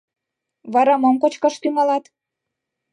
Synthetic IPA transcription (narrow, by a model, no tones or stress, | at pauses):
βɑɾɑmɤmkot͡ɕkɑʃt̪yŋɑlɑt̪